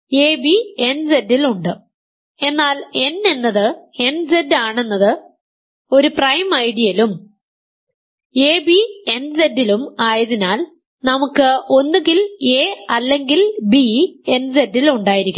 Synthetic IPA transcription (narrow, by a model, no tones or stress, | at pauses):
e̞ːbiend͡ʑediluɳɖɨ | e̞nːaːle̞nːe̞nːɐðɨe̞nd͡ʑedaːɳe̞nːɐðɨ | o̞ɾuprɐjmɐjɽijɐlum | eːbie̞nd͡ʑedːilumaːjɐðinaːl | nɐmukːɨo̞nːuɡile̞ːɐlːe̞ŋɡilbie̞nd͡ʑedːiluɳɖaːjiɾikʲː